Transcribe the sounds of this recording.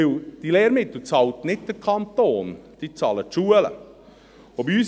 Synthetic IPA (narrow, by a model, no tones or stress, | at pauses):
ɪld̥ileːɾmɪt̪l̩t͡sɑlt̪nɪt̚d̥̪əɾkʰɑnt̪oːnd̥it͡sɑːlətʃuələ̰ | obiyːs